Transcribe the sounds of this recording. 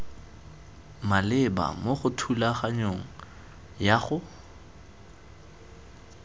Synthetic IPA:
malɪba̰moχʊtʰulaχaɲoŋ̩ | jaχʊ

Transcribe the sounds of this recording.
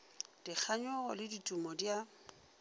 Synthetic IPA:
d̥ik͡xʰaɲɔɣɔlɪditʼumɔdja

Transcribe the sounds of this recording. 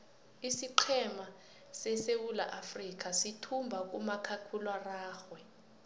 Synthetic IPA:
isiǃʰɛma | sɛsewula̰ʔafrik̬ʼasitʰumbʱak̬ʼumakʰakʰulwaraːxwɛ

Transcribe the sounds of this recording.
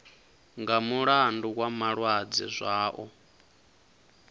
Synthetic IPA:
ŋɡamuɺandukwamaɺwad͡zḭzʷaːʔɔ

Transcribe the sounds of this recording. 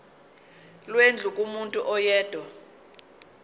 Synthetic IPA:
lwend͡ɮʱukʼumuntʼuʔɔjɛːd̥ʱwɔ

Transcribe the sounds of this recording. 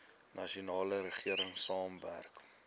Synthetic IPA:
nɐʃiunɑːləɾəχiəɾəŋsɑːmvæ̰rk

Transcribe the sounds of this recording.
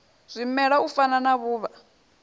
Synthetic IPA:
z̥ʷimɛɺaufananaβuːβa

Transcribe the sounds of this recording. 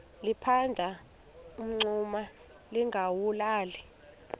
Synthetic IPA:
lipʰandʱa | um̩ŋ͡ǀuma | liŋʱawulaːli

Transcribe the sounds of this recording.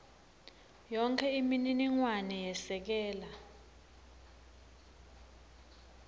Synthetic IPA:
jɔŋkʰɛimininiŋwanɛjɛsɛk̬ɛːla

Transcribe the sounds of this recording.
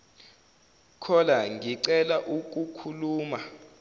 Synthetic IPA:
kʰɔlaŋiǀɛlaʔuk̬ʼukʰuluːma

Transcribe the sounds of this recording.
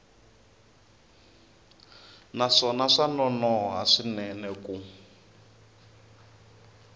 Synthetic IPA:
naʂɔnaʂanɔnɔɦa̰ʂinɛnɛku

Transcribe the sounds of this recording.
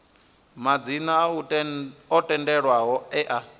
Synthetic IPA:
mad͡zina | ɔtʼɛndɛɺwaɦɔɛʔa

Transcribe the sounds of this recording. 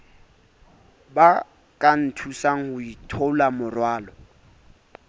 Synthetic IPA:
ba | kʼan̩tʰusaŋ̩hʊitʰɔlamʊrwaːlɔ

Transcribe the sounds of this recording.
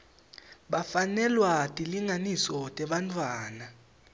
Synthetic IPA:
ɓafanɛlwatʼiliŋanisɔtʼɛɓantʼwaːna

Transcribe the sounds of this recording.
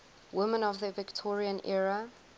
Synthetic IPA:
wɪmə̃nɔvðəvɪktʰɔɹiə̃nʔɛɹə

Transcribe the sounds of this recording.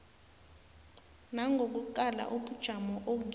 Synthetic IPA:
naŋɡʱok̬ʼuǃ̬ala̰ʔuɓud̥ʒ̥ʱamɔʔok̬

